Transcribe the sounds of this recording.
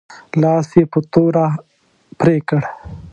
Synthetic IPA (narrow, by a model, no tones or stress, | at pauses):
lɑːsjepət̪oɾa | pɾekəɽ